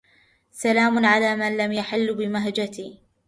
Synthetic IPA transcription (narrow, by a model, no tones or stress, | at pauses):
salaːmʊnʕalaːmanlamjaħɪlːbɪmaɦd͡ʒat̪iː